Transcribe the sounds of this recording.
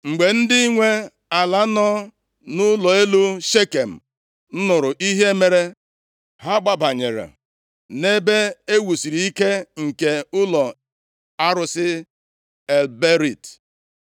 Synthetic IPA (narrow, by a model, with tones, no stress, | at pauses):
ŋ͡m̩˨ɡ͡be˨n̩˦dɪ˦i˦ŋʷe˦ | a˨la˨˦nɔ˦ | nʊ˦lɔ˨e˦lu˦ʃe˦ke˨m̩˨ | n̩˦nʊ˨ɾʊ˨ʔi˦ɦe˦me˨ɾe˦ | ɦa˦ɡ͡ba˨ba˨ɲḛ˨ɾḛ˨ | ne˦be˦e˦wu˨si˨ɾi˨i˦ke˦ŋ̩˨ke˨ʊ˦lɔ˨ | a˦ɾʊ˨sɪ˦ | e˨lbe˦ɾi˦˨t